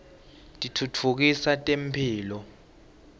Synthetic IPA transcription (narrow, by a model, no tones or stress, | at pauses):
tʼitʰutʰuk̬isatʼempʰiːlɔ